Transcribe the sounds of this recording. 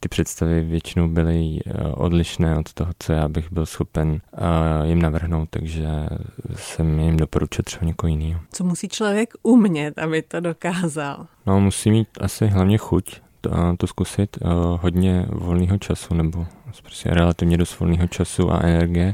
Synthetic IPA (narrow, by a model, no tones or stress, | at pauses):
t̪ɪpr̥ɛt̪st̪avɪvjɛt͡ʃɪnowbɪlɪʔo̰dlɪʃnɛːʔot̪t̪oɦot͡sojaːbɪɣbɪlsxo̞pɛn | jɪmnavr̩ɦno̞wt̪t̪aɡʒɛ | sɛmjjɪmdo̞poɾut͡ʃɛt̪ːr̥ɛbaɲɛkoɦojɪniːɦot͡somusiːt͡ʃlovjɛkumɲɛt̪ʔabɪt̪odokaːzalnomusiːmiːt̪ʔa̰sɪɦlavɲɛxuc | t̪oskusɪt̪ɦod̪ɲɛvo̞lniːɦo̞t͡ʃasunɛbopɾoscɛ̰ɾɛlat̪ɪvɲɛdost̪vo̞̰lniːɦo̞t͡ʃasuʔa̰ʔɛnɛɾɡɪjɛ